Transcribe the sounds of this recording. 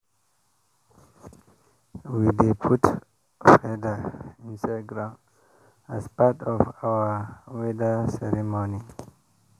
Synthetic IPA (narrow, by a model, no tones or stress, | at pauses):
widepʰut | fɛdaĩnsaɡɾãm | aspatɔvawawɛdasɛɾimoni